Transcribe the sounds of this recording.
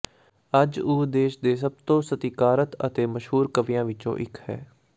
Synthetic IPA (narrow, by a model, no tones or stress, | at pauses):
əd͡ʒuːd̪eːʃd̪eːs̬əb̚t̪õːsət̪iːkaːɾət̪ə̰t̪eːməʃɦuːɾkəʋjãːʋɪt͡ʃõ̰ːʔɪkʰhɛ̰ː